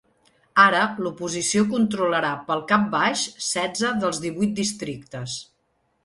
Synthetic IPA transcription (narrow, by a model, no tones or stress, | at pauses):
aɾəlupuzisiokunt̪ɾuləɾapəlˠkap̚baʃsɛd͡zəðəlˠzðiβujt̪̚d̪ist̪ɾik̚t̪əs